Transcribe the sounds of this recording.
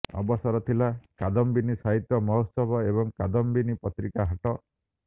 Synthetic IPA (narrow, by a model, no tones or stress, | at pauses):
ɔ̰bɔsɔɾɔt̪ʰilakad̪ɔmbinisaɦit̪jɔmɔɦosɔbɔebɔŋkad̪ɔmbinipɔt̪ɾikaɦaʈɔ